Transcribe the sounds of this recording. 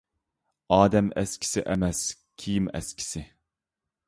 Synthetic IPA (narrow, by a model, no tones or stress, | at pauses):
ɑːd̪ɛmɛ̰skʲʰi̥sɪʔɛmɛs | kʲʰijimɛ̰skʲʰi̥sɪ